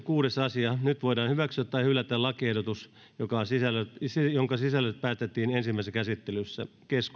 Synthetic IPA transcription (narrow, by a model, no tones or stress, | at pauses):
kuːɾesɑsiɑnyt̪ʋoidɑːnhyʋæksyæt̪t̪ːɑihylːæt̪ːælɑkiehdot̪us | jokɑsisælːøtsijoŋkɑsisælːøt̪̚pæːst̪et̪ːiːnensimːæˑiskæsit̪ːelysːæ̰ | kesku